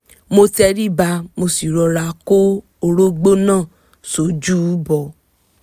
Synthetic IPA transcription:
mo˧tɛ˧ɾi˦ba˧mo˧si˨ɾɔ˧ɾa˧ko˦ | o˧ɾo˦ɡ͡bo˦nãː˦˨ | so˨˦d͡ʒu˦bɔ˨

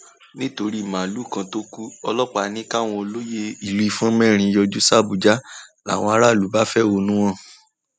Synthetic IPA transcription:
nĩ˦to˧ɾi˦˨mã˨lu˨˦˨kã˧to˦ku˦ɔ˧lɔ˦k͡pa˨˦nĩ˦ka˦˨w̃ɔ̃˧o˧lo˦je˦i˨li˦˧˨fũ˦mɛ̃˦˨ɾ̃ĩ˧jɔ˧d͡ʒu˦sa˦˨bu˨d͡ʒa˦la̰˦˨w̃ɔ̃˧a˦ɾa˦˨lu˨˦ba˦fɛ˦˨wo˧nũ˦w̃ɔ̃˦˨

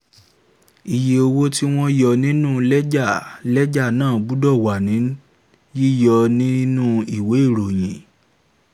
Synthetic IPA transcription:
i˨je˨o˧wo˦ti˦w̃ɔ̃˦jɔ˧nĩ˦nũ˦˨lɛ˦d͡ʒa˦˨lɛ˦d͡ʒa˦˨nãː˦˨bu˨˦dɔ˦˨wa˨nĩ˨˦ | ji˦jɔ˧nĩ˦nũ˦i˨we˨˦i˦˨ɾo˨j̃ĩ˨

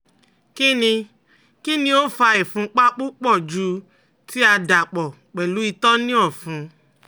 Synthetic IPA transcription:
ki˦nĩ˧ | ki˦nĩ˧˦o˦fa˧ɛ˨fũ˧˦k͡pa˦k͡pu˦k͡pɔ˦˨d͡ʒu˧˦ | ti˦a˧da˨k͡pɔ˨ | k͡pɛ˨lu˨˦i˧tɔ˦nĩ˦ɔ˦˨fũ˧˦

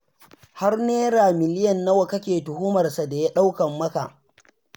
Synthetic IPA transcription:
ha˦rneː˦ɾaː˨mɪ˨lɪ˦jɐ˨nːɐ˦wɐ˨kɐ˦kʲeː˨tʊ˨hʊː˦mɐ˨rsa˨da˨ja˦ɗa˦wkɐ˨mːɐ˦ka˨ʔ

